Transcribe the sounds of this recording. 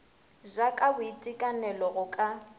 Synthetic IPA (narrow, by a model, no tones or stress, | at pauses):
ʒakʼabʊitʼikʼanɛlɔɣʊkʼa